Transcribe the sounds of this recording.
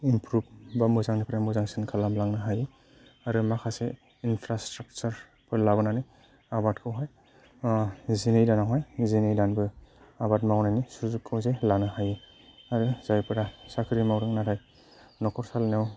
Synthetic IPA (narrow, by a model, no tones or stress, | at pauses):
impɾub̚bamɯzaŋnipʰɾamɯzaŋsɯnkʰalamlaŋnɯɦaje | aɾɯmakʰase | inpʰɾastɾak̚t͡ʃaɾ | pʰɯɾlabɯnani | abatkʰɯwɦaj | zinejdanawɦajzinejdanbɯabat̚mawnajnisuzukʰːɯwzelanɯhaje | aɾɯzajpʰɯɾasakʰɯɾimawɾɯŋnaɾʰaj | nɔkʰɔɾsalnaw